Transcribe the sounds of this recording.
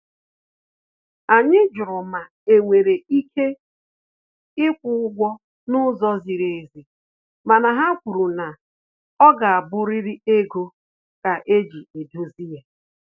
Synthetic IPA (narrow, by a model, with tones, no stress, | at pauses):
a˨ɲɪ˦d͡ʒʊ˨ɾʊ˨ma˨ | e˨ŋʷe˨ɾe˨i˦kʰe˦ | ɪ˦kʷʊ˦ʊ˦ɡʷɔ˦ | nʊ˦zɔ˦zi˨ɾe˨e˨zi˨ | ma˨na˨ɦa˦kʷu˨ɾu˨na˨ | ɔ˦ɡa˨a˨bʊ˦ɾɪ˦ɾi˦e˦ɡo˦ | ka˨ʔe˦d͡ʒi˨e˨do˦zi˦ja˨